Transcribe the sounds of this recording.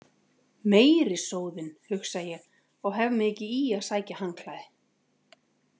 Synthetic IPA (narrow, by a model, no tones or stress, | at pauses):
meːjɾɪsoːwðɪnhʏxsajɛɣ | ɔɣɦɛvmɪðɛcɪiːaðsaːjcahaŋkʰlajðɪ